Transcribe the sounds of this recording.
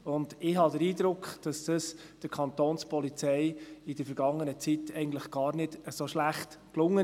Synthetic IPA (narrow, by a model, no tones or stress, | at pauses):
ʊnd̥ɪɦɑdəɾiːd̪ɾʊkχd̥ɑsd̥əs | d̥əkʰɑnt̪oːnspɔlit͡sɛɪɪd̥əɾfɛɾɡɑŋːənət͡sitɛɪɡən̩tləχɡ̥ɑːɾnɪd̥əsoʃlæχtklʊŋːə